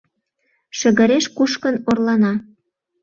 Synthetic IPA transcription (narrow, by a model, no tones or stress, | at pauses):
ʃə̆ɣə̆ɾeʃkuʃkə̆norlɑnɑ